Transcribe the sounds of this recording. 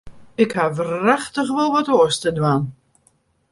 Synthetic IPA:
ɪkhaʋraxtəχʋolˠʋɔtoəstədwaːn

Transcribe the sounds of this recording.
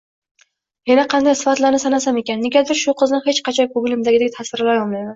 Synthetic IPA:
janaqʰɑnd̪ajsɪ̥fat̪lanɪsanasame̞kʲanːeɡʲad̪ɪɾʃʊqʰɨznɪhet͡ʃqʰɑt͡ʃʰɒjkʰʊɡʲlɪmd̪aɡʲɪd̪at̪ʰasɪɾlaɾjɒmlajd̪ɪ

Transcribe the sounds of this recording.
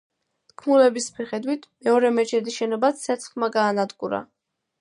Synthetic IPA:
t̪kʰmulɛbismiχɛd̪wit̪ʰmɛɔɾɛmɛt͡ʃʰɛd̪iʃɛnɔbat̪sʰɛt̪sʰχmaɡaːnad̪ɡuɾa̰

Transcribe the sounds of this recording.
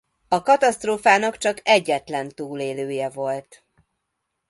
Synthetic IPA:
ɒkɒt̪ɒst̪roːfaːnɒkt͡ʃɒkɛɟːɛt̪lɛnt̪uːleːløːjɛvo̞lt̪

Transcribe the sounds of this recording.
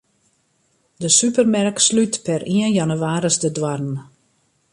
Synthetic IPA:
dəsypərmɛrkslytpɛriənjanyʋaːɾəsdədwarn̩

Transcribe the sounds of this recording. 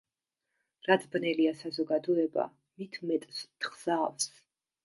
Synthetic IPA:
ɾad̪ʰbnɛliasazɔɡad̪ɔɛba̰ | mit̪ʰmɛt̪ʼst̪ʰχz̥aːfs

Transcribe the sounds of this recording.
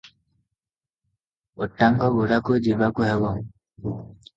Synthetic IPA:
oʈːaŋkɔɡuɽakud͡ʒibakuɦebɔŋ

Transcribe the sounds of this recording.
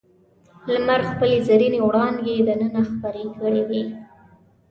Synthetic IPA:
lmaɾxpəlezaɾinewɽɑnd̪jed̪ənənaxpəɾekəɽed̪e

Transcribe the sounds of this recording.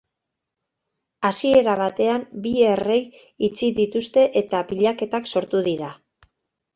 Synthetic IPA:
asie̞ɾaβ̞at̪e̞ambie̞re̞j | it͡siðit̪ust̪e̞ʔet̪aβiʎake̞t̪akso̞ɾt̪uðiɾa

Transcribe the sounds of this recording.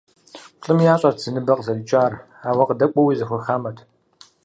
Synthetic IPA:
ɬʼɨmjaːɕʼɐrz̥ɨnɨbɐqzɐlt͡ʃʼaːr | aːwɐqədɐkʷʼɔwiːzɐxʷʊrxaːmɐtʰ

